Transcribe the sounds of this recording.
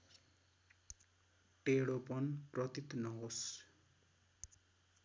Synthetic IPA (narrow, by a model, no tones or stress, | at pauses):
ʈeɽopʌnprʌt̪it̪nʌɦos